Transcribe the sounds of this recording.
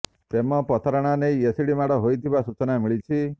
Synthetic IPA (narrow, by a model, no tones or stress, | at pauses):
t̪emɔpɔt̪ʰaɾɔɽ̃aneiesiɽimaɽɔɦojt̪ʰibasut͡ʃɔnamiɭit͡ʃʰi